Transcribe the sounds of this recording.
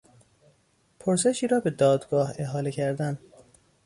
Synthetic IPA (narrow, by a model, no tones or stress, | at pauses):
pʰoɾse̞ʃiːɾɒːbe̞d̪ɒːd̪ɡɒːhe̞ɦɒːlecʰæɾd̪æn